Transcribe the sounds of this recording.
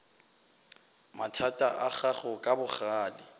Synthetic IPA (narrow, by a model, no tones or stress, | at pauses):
matʰatʼa̰ʔaχaχʊkʼabʊχaːlɪ